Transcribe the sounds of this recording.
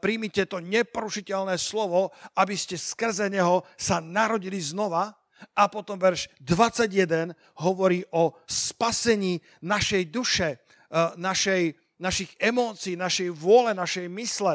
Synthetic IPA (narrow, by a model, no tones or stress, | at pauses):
pɾimicɛt̪ɔɲɛpɔɾuʃicɛlnɛːslɔʋɔabiscɛskr̩zɛɲɛɦɔsanaɾɔɟiliznɔʋa | apɔt̪ɔmʋɛɾʒ̥d̪ʋat͡sːaɟjɛd̪ɛn | ɦɔʋɔɾiːʔɔspasɛɲiː | naʃɛjd̪uʃɛ | naʃɛj | naʃiɣɛmɔːt͡siːnaʃɛjʋʊɔlɛnaʃɛjmislɛ